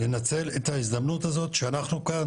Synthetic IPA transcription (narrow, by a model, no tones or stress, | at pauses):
le̞nat͡se̞let̪haizd̪amnutazo̞t̪ʃeanaχnukan